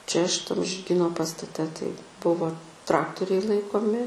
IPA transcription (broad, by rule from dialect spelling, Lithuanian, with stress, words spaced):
t͡ʃʲɛ ʃʲɪˈtɐm ʒʲɪrʲˈɡʲiːnoː pɐstɐˈtʲɛ tɐɪ ˈbʊʋoː ˈtrɑːktoːrʲɛɪ ˈlˠɐɪkoːmʲɪ